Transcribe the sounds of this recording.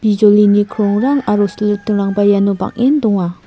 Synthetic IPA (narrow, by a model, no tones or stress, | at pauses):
b̥id͡ʒolinikʰɾɔŋɾaŋaɾoslɯk̚t̪ɯŋɾaŋbajanoba̰ŋʔend̪ɔŋa